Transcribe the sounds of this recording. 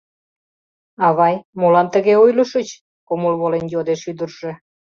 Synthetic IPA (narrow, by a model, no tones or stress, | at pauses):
ɑβɑjmolɑnt̪əɣeojləʃət͡ɕ | komolβolenjod̪eʃyd̪ərʒĕ